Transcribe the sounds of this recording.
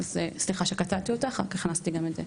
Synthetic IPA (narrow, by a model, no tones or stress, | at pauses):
azesliχaʃekat̪avt̪iot̪aχa̰kaχnast̪iɡamedze